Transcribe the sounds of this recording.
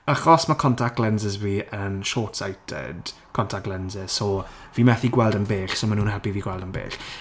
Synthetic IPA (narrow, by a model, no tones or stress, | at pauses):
aχɔsmakʰɔntʰak̚ɡ̥lɛnzəzviːʔənʃɔːtsajtʰɛ̰d̥kʰɔntʰak̚ɡ̥lˠɛnzɛz̥sɔviːmɛθiɡwɛlˠdənbeːɬsɔmanuːnhɛlpiviːɡwɛlˠdənbḛːɬ